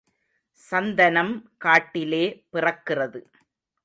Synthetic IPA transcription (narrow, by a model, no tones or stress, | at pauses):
sɐnd̪ɐnɐmkaːʈːɪleːpɪrɐkːɪrɐðɯ